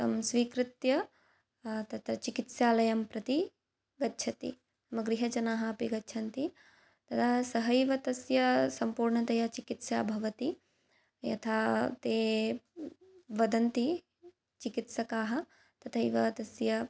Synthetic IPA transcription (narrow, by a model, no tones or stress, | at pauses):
t̪ɐ̰msʋiːkɾɪt̪jɐ | t̪ɐt̪ʰɐt͡ʃikit̪sjaːlɐjɐmpɾɐt̪i | ɡɐtːʃʰɐt̪ḭ | mɐɡɾiɦɐt͡ʃɐnaːɦɐɐpiɡɐtːʃʰɐnt̪i | t̪ɐt̪ʰaːsɐɦɐjʋɐt̪ɐsjɐsɐmpuːɾɳɐt̪ɐjat͡ʃikit̪sjaːbʱɐʋɐt̪i | jɐ̰t̪ʰaːt̪eː | ʋɐd̪ɐnt̪i | t͡ʃikit̪sɐkaːɦɐ | t̪ɐt̪ʰɐiʋɐt̪ɐsjɐ